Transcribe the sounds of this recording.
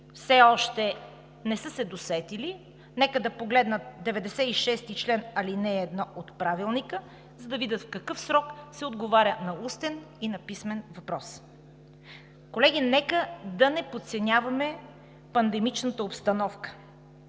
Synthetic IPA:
fsɛɔʃt̪ɛ | nɛsɤsɛd̪osɛt̪ili | nɛkəd̪ɐpoɡlɛd̪nət̪̚d̪ɛvɛd̪ɛsɛiʃɛst̪it͡ʃlɛnɐlinɛːd̪nɔʔot̪pɾavilˠnikə | zɐd̪ɐvid̪ət̪fkɐkɤfsɾɔksɛod̪ɡovaɾʲənɐust̪ɛninɐpismɛnvɐpɾɔs | kolɛɡʲinɛkəd̪ɐnɛpot̪sɛnʲavɐmɛ | pɐnd̪ɛmit͡ʃnət̪əopst̪ɐnɔfkə̥

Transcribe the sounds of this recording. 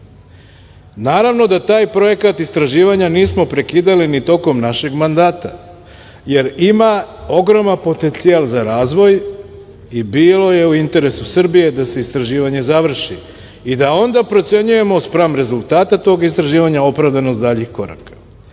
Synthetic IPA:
naːɾaʋno̞d̪at̪aːjpɾo̞je̞kat̪ist̪ɾaʒiːʋaɲaniːsmo̞pɾe̞kiːd̪alinit̪o̞ko̞mnaʃe̞ɡmand̪aːt̪a | je̞ɾimao̞ɡɾo̞manpo̞t̪e̞nt̪sialzaɾaːzʋo̞j | ibiːlo̞je̞uint̪e̞ɾe̞susr̩bije̞d̪ase̞ist̪ɾaʒiːʋaɲe̞zaʋr̩ʃi | id̪ao̞nd̪apɾot̪se̞ɲuje̞mo̞spɾamɾe̞zulˠt̪aːt̪at̪o̞ːɡist̪ɾaʒiːʋaɲao̞pɾaʋd̪anost̪d̪aːʎixko̞ɾa̰kḁ

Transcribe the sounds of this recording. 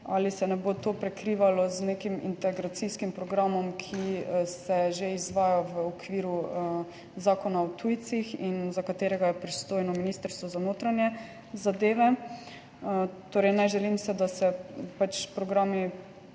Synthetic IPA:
alisɛnɛbot̪oːpɾɛkɾiːʋalɔznekimḭnt̪ɛɡɾat̪siskimpɾɔɡɾamɔmkʰisɛʒeizʋaːjɔʋəɔkʋiːɾu | zaːkɔnaɔt̪ʰujt̪sixinzakat̪eːɾɛɡajɛpɾist̪oːjnɔminist̪əɾst̪ʋɔzanoːt̪ɾanjɛ | zad̪eːʋɛ | t̪oːɾɛɪjnɛʒɛlimsɛd̪asɛpat͡ʃpɾɔɡɾaːmi

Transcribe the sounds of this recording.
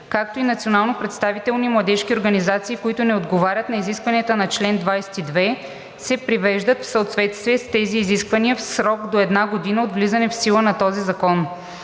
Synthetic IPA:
kak̚t̪oinɐt̪sionalˠnopɾɛt̪st̪avit̪ɛlˠnimlˠɐd̪ɛʃk̟ʲioɾɡənizat̪siːkoit̪ʊnɛod̪ɡovaɾʲət̪nɐiziskvɐniət̪ənɐt͡ʃlɛnd̪vajsɛ̥t̪id̪vɛ | sɛpɾivɛʒd̪ət̪fsɐot̪vɛt̪st̪viɛst̪ɛziːziskvɐniəfsɾɔɡd̪oɛd̪naɡod̪inəod̪vlizənɛfsilˠənɐt̪ɔzizɐkɔn

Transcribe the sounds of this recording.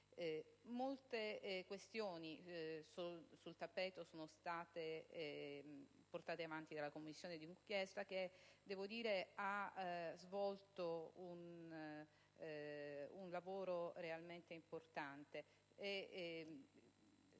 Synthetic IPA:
molt̪ekwest̪joːnisusult̪apːɛːt̪osoːnost̪aːt̪e | port̪aːt̪eavant̪id̪alakomːisːjoːned̪iiŋkjɛst̪ak̟ed̪ɛːvod̪iːɾeazvɔlt̪oun | unlavoːɾorealment̪eimport̪ant̪eː

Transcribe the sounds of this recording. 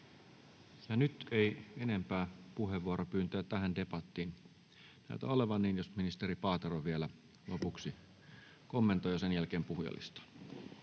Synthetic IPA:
jɑnyt̪eienempæːpuɦeʋuoɾopyːnt̪øːæt̪æhændepɑt̪ːiːn | næ̰it̪æ̰oleʋɑnːiːnjosminist̪eɾipɑːt̪eroʋielæ | lopuksi | komːent̪ojosenjælkeːmpuhjɑ̰lḭst̪ɑ̥

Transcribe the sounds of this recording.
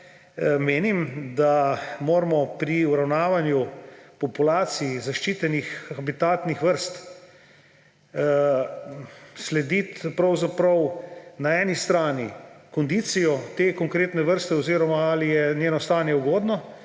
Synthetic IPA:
meːnimd̪amoːɾmɔpɾiuɾawnaːʋanjupɔpulaːt̪siizaʃt͡ʃiːt̪ɛnixxabit̪aːt̪nixʋəɾst̪ | slɛd̪it̪pɾawzapɾɐwnaɛːnist̪ɾaːnḭkɔnd̪iːt̪sijɔt̪eːkɔŋkɾeːt̪nɛʋəɾst̪ɛɔziːɾɔmaalijɛnjeːnɔst̪aːnjɛuɡoːd̪nɔ

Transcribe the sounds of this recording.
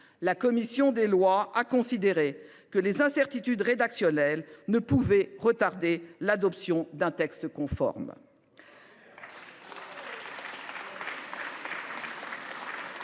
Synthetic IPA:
lakɔmisjɔ̃d̪elwaakɔ̃sid̪eʁe | kəlezɛ̃sɛʁt̪it̪yd̪ʁed̪aksjɔnɛlnəpuvɛʁət̪aʁd̪elad̪ɔpsjɔ̃d̪ɛ̃t̪ɛkst̪kɔ̃fɔ̰ʁm

